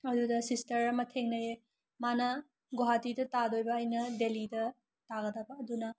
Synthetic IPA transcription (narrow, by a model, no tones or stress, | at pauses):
ɐdudɐsistɐɾɐmɐtʰeŋnɐje | manɐ | ɡoɦatidɐtadojbɐːjnɐdelidɐ | taɡɐdɐbɐːdunɐ